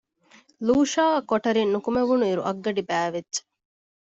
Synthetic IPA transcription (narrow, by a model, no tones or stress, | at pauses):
luːʃaːɐkoʈɐɾinːukumeʋunuiɾuʔɐɡːɐɖibæːʋetːt͡ʃɐ̥